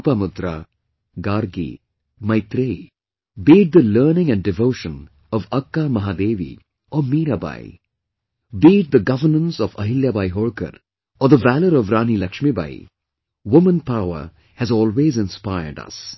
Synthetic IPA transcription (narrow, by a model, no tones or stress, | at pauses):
pamʊd̪ɾa̰ | ɡaːɾɡḭ | mɐɪt̪ɾe | biːʈ̚d̪ələːnɪ̃ŋæ̃ɳɖɖɪʋoːʃə̃n | ɔʋɐkːamɐɦaːd̪eːʋḭ | ʔɔmiːɾaba̰ɪ | biːʈ̚d̪əɡʌʋənə̃nsɔʋɐɦɪljabajɦoːɭkə̰ɾ | ɔːd̪əʋæləɾɔʋɾãːnilɐkʃmiba̰ːḭ | ʋʊmə̃npaʊə̰ | hæzɔːlweːzɪ̃nspaɪə̰ɖɐ̰s